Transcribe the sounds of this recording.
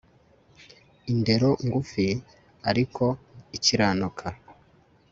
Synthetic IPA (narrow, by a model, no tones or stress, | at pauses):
inde̞ɾo̞ŋɡufi | aɾikʰo̞iciɾaːnukʰa